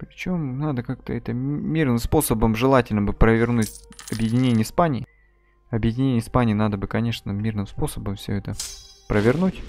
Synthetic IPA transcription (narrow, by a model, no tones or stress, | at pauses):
pɾʲɪt͡ɕo̞mnad̪əkak̚t̪əɛt̪əmʲirnɨmspo̞səbəmʐɨlˠatʲɪlʲnəbɨpɾəvʲɪrnutʲɐbjɪdʲɪnʲenʲɪjəspanʲɪɪ | ɐbjɪdʲɪnʲenʲəspanʲɪiːnad̪əbɨkɐnʲe̞ʂnəmʲirnɨmspo̞səbəmfsʲɵ̰ɛt̪əpɾəvʲɪrnutʲ